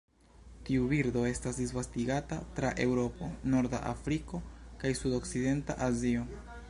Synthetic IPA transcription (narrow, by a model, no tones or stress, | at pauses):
tiubiɾdo̞e̞stasdisvastiɡatatɾaʔe̞wɾo̞po̞no̞ɾda̰ʔa̰fɾiko̞kajsudo̞kside̞nta̰ʔazio̞